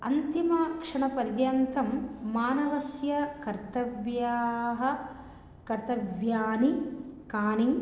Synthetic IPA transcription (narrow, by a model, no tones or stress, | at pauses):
ɐ̰nt̪imɐkʂɐɳɐpɐɾjɐnt̪ɐmːaːnɐʋɐsjɐkɐɾt̪ɐʋjaːɦɐ̆ | kɐɾt̪ɐʋjaːnikaːniŋ